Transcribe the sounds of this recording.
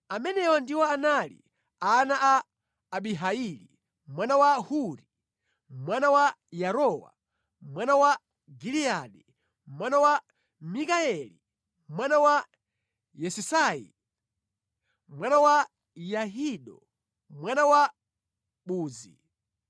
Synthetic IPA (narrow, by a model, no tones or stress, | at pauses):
amɛnɛwandiwɔanalḭ | aːnaʔaː | ɓiɦailḭ | mwanawahuɾi | mwanawa | jaɾɔwa̰ | mwanawa | ɡiliaɗi | mwanawa | mikaɛlḭ | mwanawa | jɛsisaḭ | mwanawa | jaɦiɗɔ̰ | mwanawa | ɓuːzḭ